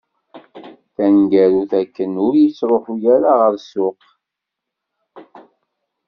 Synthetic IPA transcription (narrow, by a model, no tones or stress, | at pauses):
θænɡæɾuθækːənʊɾjit͡sːɾˤoħujæɾaʁəɾsʊq